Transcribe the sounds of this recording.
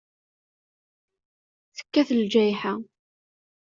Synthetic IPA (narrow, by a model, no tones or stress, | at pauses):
θə̥kːæθəld͡ʒæjħa